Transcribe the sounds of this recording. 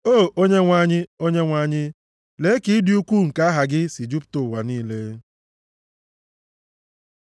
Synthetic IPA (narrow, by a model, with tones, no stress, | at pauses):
o˦˨o˦ɲe˦ŋʷa˦ɲɪ˦o˦ɲe˦ŋʷa˦ɲɪ˦ | le˨˦ki˦dɪ˦u˦kʷu˦˨ŋ̩˨ka˦a˦ɦa˨ɡɪ˦si˨d͡ʒu˦pto˨wa˨niː˦le˦